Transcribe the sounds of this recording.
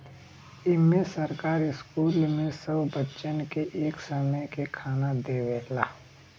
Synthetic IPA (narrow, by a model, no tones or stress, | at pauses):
ɪmːẽsəɾkaːɾɪskuːlmẽsəbbətːʃənkeʔeːksəməjkekʰaːnad̪eːʋeːlaː